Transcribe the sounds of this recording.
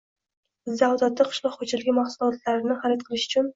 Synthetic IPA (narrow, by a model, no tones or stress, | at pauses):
zawd̪at̪ːaqʰɨ̥ʃlˠɒqχod͡ʒalɪɡʲɪmaχsʊlˠɒt̪laɾɪnɪχaɾɪt̪̚qʰɨlˠɪʃʊ̥t͡ʃʰʊn